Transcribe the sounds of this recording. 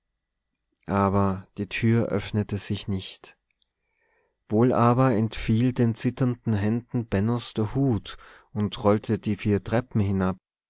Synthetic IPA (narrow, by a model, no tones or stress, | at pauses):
ʔaːbɐd̥iːtʰyːɐʔœ̰fnətəz̥ɪçnɪçt | v̥oːlʔaːbɐɛntfiːldeːnt͡sɪtɐndn̩ɦɛndn̩bɛnɔsd̥eːɐhuːt | ʊntʁɔltʰədiːfiːɐtʁ̥ɛpm̩hɪnap̚